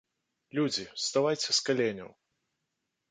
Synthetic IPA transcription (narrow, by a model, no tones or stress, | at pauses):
lʲud͡zʲist̪avajt͡sʲɛskalʲenʲɐ̰w